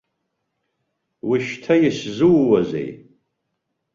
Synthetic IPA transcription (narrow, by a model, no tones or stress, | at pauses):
wiʃtʰajɪszɨwːazḛj